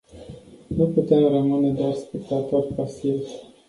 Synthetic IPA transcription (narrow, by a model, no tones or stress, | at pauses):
nuput̪emrəmɨne̞d̪oarspekt̪at̪orpasiv